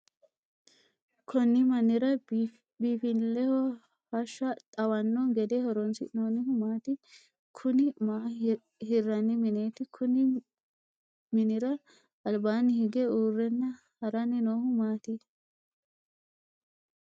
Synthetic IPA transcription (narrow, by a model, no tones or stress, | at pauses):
kʰɔnːɪmɐnːɪɾɐ | biːfɪlɛhɔ | hɐʃːɐt̪ʼɐwɐnːɔnɡɛd̪ɛhɔɾɔnsɪ̰noːnɪhʊmaːt̪ɪ | kʰʊnɪma | hɪrːɐnːɪmɪnet̪ɪkʰʊnɪ | mɪnɪɾɐ | ɐlbaːnɪhɪɡɛuːrːɛnːɐ | hɐɾɐnɪnoːhʊmaːt̪ɪ